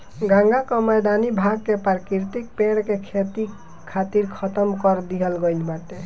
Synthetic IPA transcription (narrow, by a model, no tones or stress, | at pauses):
ɡãŋɡakɔmajd̪anibʱaɡ̚kepaɾkiɾt̪ik̚peɽ̃kekʰet̪i | kʰat̪iɾkʰɔt̪əmkɔɾd̪iɦəlɡojlbat̪e